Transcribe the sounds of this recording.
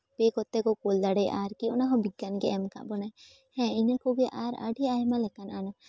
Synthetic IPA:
bekɔt̪ɛkɔkold̪aɽejʔaɾkiɔnaɦɔ̃biɡjanɡɛɛmka̰ʔbɔnaj | hɛ̃inakɔɡɛʔaɾa̰ɖiaɦmalɛkananɔ

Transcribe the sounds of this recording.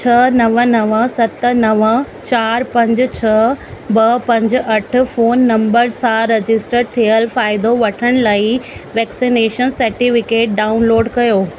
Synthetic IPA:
t͡ɕʰɐnɐʋənɐʋəsɐt̪̆nɐʋə | t͡ɕaːɾpɐ̃ɲd͡ʑ̆t͡ɕʰɐbɐpɐ̃ɲd͡ʑ̆ʔɐʈ̆ʰfoːnːɐ̃mbəɾsãɾed͡ʑɪsʈəɾt̪ʰijəlfaːɪd̪oʋɐʈʰəɽ̃laːɪʋɛːksineːʃənsɐɾʈifɪkeːʈ̚ɖaːʊnloːɖkɐjoː

